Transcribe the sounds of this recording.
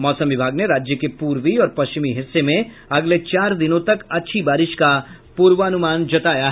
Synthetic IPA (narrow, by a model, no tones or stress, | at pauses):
mɔːsə̃mʋɪbʱaːɡneɾaːd͡ʒjəkepuːɾʋiɔːɾpɐst͡ʃɪmiɦɪsːemẽ | ɐɡlet͡ʃaːɾd̪ɪnõt̪ɐkɐtːʃʰibaːɾɪʃka | puːɾʋəɐnʊmaːnd͡ʒɐt̪aːjaɦ